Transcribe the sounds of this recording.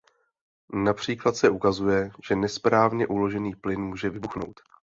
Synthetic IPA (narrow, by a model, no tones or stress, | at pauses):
napr̝̥iːklat̪sɛʔukazujɛʒ̥ɛnɛspɾaːvɲɛʔulo̞ʒɛniːplɪnmuːʒɛvɪbuxno̰wt̪